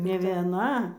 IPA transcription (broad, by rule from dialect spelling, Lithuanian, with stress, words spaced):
nʲɛ ʋʲiɛˈnɐ